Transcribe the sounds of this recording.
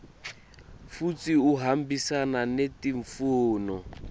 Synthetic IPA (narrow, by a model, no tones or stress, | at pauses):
fut͡siuɦam̩bisananetiɱfuːnɔ